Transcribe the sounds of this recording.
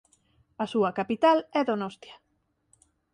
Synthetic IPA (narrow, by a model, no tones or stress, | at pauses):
ɐsuɐkapit̪alɛðonost̪jɐ